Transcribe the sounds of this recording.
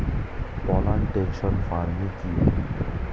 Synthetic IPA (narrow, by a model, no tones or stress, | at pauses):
pɔlaɳʈenʃɔnfaɾmiki